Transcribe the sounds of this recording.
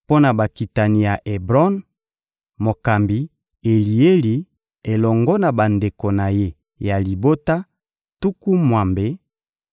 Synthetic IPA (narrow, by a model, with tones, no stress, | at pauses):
po˦na˨ba˨ki˨ta˨ni˨ja˨ʔe˨bʁɔ˦n | mo˨ka˨mbi˨ | e˨li˨e˦li˨ | e˨lɔ˨ŋɡɔ˦na˨ba˨nde˨ko˨na˨je˦ | ja˨li˨bo˦ta˦ | tu˦ku˦mwa˨mbe˦